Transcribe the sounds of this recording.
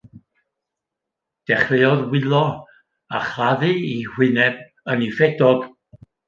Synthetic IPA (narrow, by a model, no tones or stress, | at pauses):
d̥ɛχvejɔðwɪlˠɔ | aχlaðɨihwɪnɛb̥̚ | ənifɛdɔɡ̥